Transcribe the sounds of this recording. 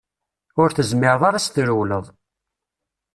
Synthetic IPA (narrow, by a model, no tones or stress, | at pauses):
ʊɾθəzmɪɾðˤaɾast̪ɾəwləðˤ